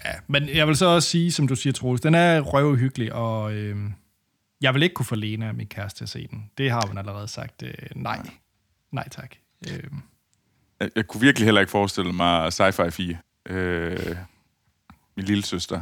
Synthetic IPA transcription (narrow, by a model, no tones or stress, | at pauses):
jæmenjɑɪʋelsɒ̽ɒ̽ssiːsɒ̽md̥usiːɐt͡sʰʁo̝ːsd̥enæɐʁœʊɦyɡ̥əliʔɒ̽ø | jɑ̈ɪʋele̝ɡ̥̚kʰufɒ̽le̝ːnəæminkʰæɐsd̥ʰe̝ɐse̝̰ːd̥en̩d̥e̝ɦɑ̈hunæləʁɛːð̞̩ˠsɑ̈ɡ̥̚d̥ønɑ̈ɪ̰ | nɑ̈ɪ̰t͡sʰɑ̈ɡ̥ | ø | jjɑ̈ɪkʰuʋiɐɡ̥liɦel̰ɐe̝ɡ̥fɒːsd̥e̝ləmɑ̈ɪsɑ̈ɪfɑ̈ɪfiːɐ | ʔø | minliləsøsd̥ɐ